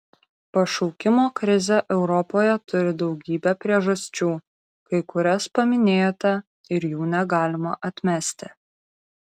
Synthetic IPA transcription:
pɐʃɔʊkʲɪmoːkɾʲɪzʲɛʔɛʊɾɔpoːjɛt̪ʊɾʲɪd̪ɒʊɡʲiːbʲɛpʲɾʲiɛʒɐsʲt͡ʃʲuː | kɐɪkʊɾʲɛspɐmʲɪnʲeːjt̪ʲɐ | ɪɾjuːnʲɛɡɑːlʲɪmɐʔɐt̪ʲmʲæsʲt̪ʲɪ

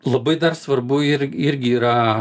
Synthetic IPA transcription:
lˠɐbɐɪd̪ɐrsʋɐrbʊɪɾʲɪɾʲɡʲɪiːɾɐ

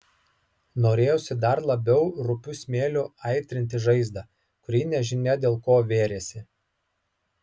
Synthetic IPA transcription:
noːɾʲeːjoːsʲɪd̪ɐɾlˠɐbʲɛʊɾʊpʲʊsʲmʲeːlʲʊɐɪt̪ʲɾʲɪnʲt̪ʲɪʒɐɪzd̪ɐ | kʊɾʲiːnʲɛʒʲɪnʲɛd̪ʲeːlˠkoːʋʲeːɾʲeːsʲɪ

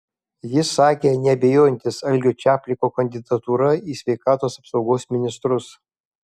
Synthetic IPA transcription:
jɪsːɑːkʲeːnʲɛɐbʲejoːjɛnʲt̪ʲɪsɐlʲɡʲoːt͡ʃʲæːpʲlʲɪkoːkɐnʲd̪ʲɪd̪ɐt̪uːɾɐiːsʲʋʲɛɪkɑːt̪oːsɐpsɒʊɡoːsʲmʲɪnʲɪst̪ɾʊs

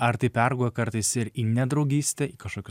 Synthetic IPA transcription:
ɐɾt̪ɐɪpʲæɾɡuɔjɛkɐɾt̪ɐɪsɪɾiːnʲɛd̪ɾɒʊɡʲiːsʲt̪ʲɛiːkɐʃkoːkʲʊ

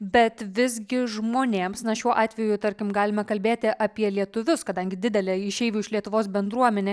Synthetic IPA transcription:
bʲɛt̪ʋʲɪzɡʲɪʒmoːnʲeːmsnɐʃʲuɔʔɑːt̪ʲʋʲɛjut̪ɐɾʲkʲɪmɡɑːlʲɪmɐkɐlʲbʲeːt̪ʲɪʔɐpʲiɛlʲiɛt̪ʊʋʲʊskɐd̪ɐŋʲɡʲɪd̪ʲɪd̪ʲɛlʲɛɪʃʲɛɪʋʲuːɪʃlʲiɛt̪ʊʋoːsbʲɛnd̪ɾuɔmʲɛnʲɛː

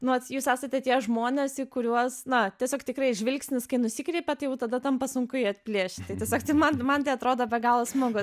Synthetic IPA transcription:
nʊʋɐtjuːsʲæːsɐt̪ʲɛt̪ʲiɛʒmoːnʲesɪkʊɾʲuɔsnɐt̪ʲiɛsʲoːkt̪ʲɪkrɐɪʒʲʋʲɪlʲksʲnʲɪskɐɪnʊsʲiːkɾʲɛːpʲɛt̪ɐɪjɛʊt̪ɐd̪ɐt̪ɐmpɐsʊŋkʊɪɐt̪ʲpʲlʲiɛʃʲtʲt̪ɐɪtʲiɛsʲoːkt̪ɐɪmɐnmɐnt̪ʲɐɪɐt̪ɾoːd̪oːbʲɛɡɑːlˠʋɐsmoːɡʊ

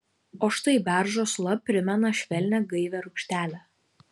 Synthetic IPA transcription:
oːʃt̪ɐɪbʲæˑɾʒoːslˠɐpʲɾʲɪmʲɛnɐʃʲʋʲɛlʲnʲɛɡɐɪʋʲɛɾʊkʃʲt̪ʲæːlʲɛ

